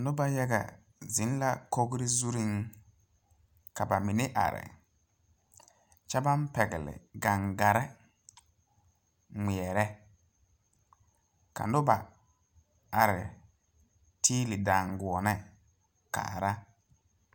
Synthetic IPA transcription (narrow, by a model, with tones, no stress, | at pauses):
nʊ˦ba˦jɛ˦ɡa̰˨ | zi˨˦n˦la˦ko˦ɡɾɪ˦zu˦ɾi˦ŋ | ka˨ba˨mɪ˨nɪ˦ʔa̰˨ɾɪ̰˨ | t͡ʃa˦ba˦m˦pɛ˨ɡɪ˨lɪ̰˨ɡa˨ŋɡa˨ɾɛ˦ | ŋi˨ɛ˨ɾɛ˦ | ka̰˨nʊ˦ba˨ | a˨ɾɪ˨ | tʰiː˦lɪ˨da˨ŋɡu˨ɔ˨nɛ˦ | ka̰ː˨ɾa˦